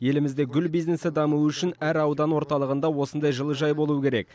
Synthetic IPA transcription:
je̞lɪmɪzd̪e̞ɡʲʏlbijzne̞sɪd̪ɑmuʏʃɪnæɾɑwd̪ɑnwo̞ɾt̪ɑlˠəʁənd̪ɑwo̞sənd̪ɑjʒəlˠəʒɑjbo̞lˠuəkʲʰe̞ɾe̞k̚

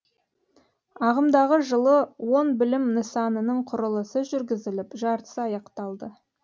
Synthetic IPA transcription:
ɑʁəmd̪ɑʁəʒəlˠəwo̞nbɪlɪmnəsɑnənəɴqʰʊɾəlˠəsəʒʏɾɡʲɪzɪlɪpʒɑɾt̪ə̥sɑjɑqt̪ɑlˠd̪ə

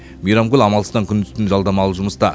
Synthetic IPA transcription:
mijɾɑmɡʲʏlɑmɑlˠəst̪ɑŋkʲʰʏnt̪ʏ̥st̪ɪnʒɑlˠd̪ɑmɑlˠəʒʊməst̪ɑ

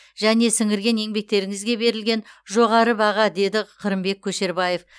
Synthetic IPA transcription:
ʒæne̞sɪŋɪɾɡʲe̞ne̞ŋbe̞k̚t̪e̞ɾɪŋɪzɡʲe̞be̞ɾɪlɡʲe̞nʒo̞ʁɑɾəbɑʁɑd̪e̞d̪ɪqʰəɾɪmbe̞k̚ʲʰːɵʃe̞ɾbɑje̞f

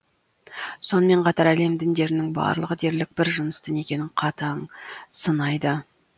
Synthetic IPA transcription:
so̞nəme̞ɴqʰɑt̪ɑɾæle̞md̪ɪnd̪e̞ɾɪnɪŋbɑ̰ɾlˠəʁəd̪e̞ɾlɪk̚bɪɾʒənəst̪ɪne̞kʲe̞nɪɴqʰɑt̪ɑɴsənɑjd̪ə

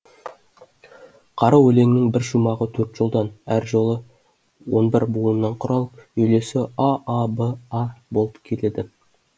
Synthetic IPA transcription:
qʰɑɾɑwɵle̞ŋnɪŋbɪɾʃumɑʁət̪ʰɵɾt̪ʒ̥olˠd̪ɑnæɾʒo̞lˠə | wo̞̰nbɪɾbulənːɑɴqʰʊɾɑlˠəpʏjle̞sɪaabəɑbo̞lˠəpkʲʰe̞le̞d̪ɪ

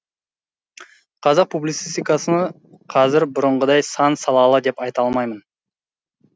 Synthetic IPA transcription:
qʰɑzɑq̚publit̪sist̪ijkɑsənə | qʰɑzɪɾbʊɾəɴʁəd̪ɑjsɑnsɑlˠɑlˠəd̪e̞pɑjt̪ɑlˠmɑjmən

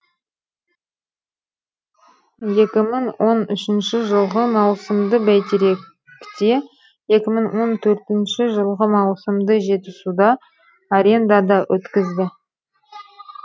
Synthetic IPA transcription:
je̞kʲɪmɪŋwo̞nʏʃɪnʃɪʒəlˠʁəmɑwsəmd̪əbæjt̪eɾe̞k | t̪e̞ | je̞kʲɪməŋwo̞nt̪ʰɵɾt̪ɪnʃɪʒəlˠʁəmɑwsəmd̪əʒe̞t̪ɪsud̪ɑː | ɾʲe̞nd̪ɑd̪ɑwʔɵt̪kʲɪzd̪ɪ

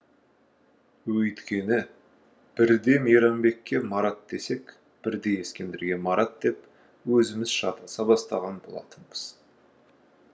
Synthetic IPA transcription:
wɵjt̪kʲe̞nɪ | b̥ɪɾd̪e̞mijɾɑmbe̞kʲːe̞mɑɾɑt̪̚d̪̥e̞se̞k | b̥ɪɾd̪e̞je̞skʲe̞nd̪ɪɾɡʲe̞mɑɾɑt̪̚d̪̥e̞p | wɵzɪmɪzʃɑ̰t̪ɑsɑbɑst̪ɑ̰ʁɑnbo̞̰lˠɑ̰t̪ʰəɴəz̥

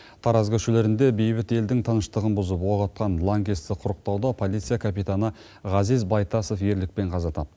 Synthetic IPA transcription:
t̪ʰɑɾɑzɡəʃɪle̞ɾɪnd̪e̞be̞jbɪt̪e̞ld̪ɪŋt̪ʰənəʃt̪əʁənbʊzəpwoʁɑt̪̚qɑnlˠaŋɡʲest̪ɪqʰʊɾəq̚t̪ɑwd̪ɑpʰo̞lˠit̪sɨjakʰapijt̪anə | ʁɑzizbɑjt̪ɑso̞fje̞ɾlɪk̚pe̞ɴqʰɑzɑt̪ʰɑp̚

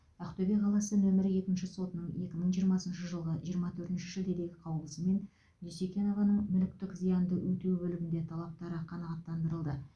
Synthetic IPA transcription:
æqt̪øbeqʰɑlˠɑsənɵmɪɾɪje̞kʲɪnʃɪso̞t̪ənəɴje̞kʲɪməɴʒijəɾmɑsənʃəʒəlˠʁəʒijəɾmɑt̪ʰɵɾt̪ɪnʃɪ̥ʒəlˠd̪e̞d̪e̞ɡʲɪqʰɑwlˠəsəme̞n | j̪esekʲeno̞vɑnəɴmʏlɪk̚t̪ɪkzijɑnd̪əwɵt̪ewbɵlɪɡʲɪnd̪e̞t̪ʰɑlˠɑp̚t̪ɑɾəqʰɑnɑʁɑt̪ːɑnd̪əɾəlˠd̪ə

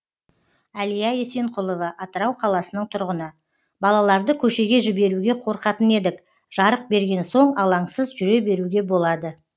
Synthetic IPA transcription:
ælijɑje̞se̞ɴqʰʊlˠo̞vɑʔɑt̪əɾɑwqʰɑlˠɑsənəɴt̪ʰʊɾʁənə | bɑlˠɑlˠɑɾd̪əkʲʰɵʃe̞ɡʲe̞ʒɪbe̞ɾuɡʲe̞qʰo̞ɾqɑt̪əne̞d̪ɪk | ʒ̥ɑɾəq̚be̞ɾɡʲe̞nso̞ɴɑlˠɑɴsəzʒʏɾe̞be̞ɾuɡʲe̞bo̞lˠɑd̪ə

